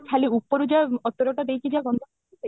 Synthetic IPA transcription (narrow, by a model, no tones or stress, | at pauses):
kʰaliupːɔɾud͡ʒaɔt̪ːɔɾɔʈad̪ejt͡ʃʰid͡ʒaɡɔnd̪ʱɔ | e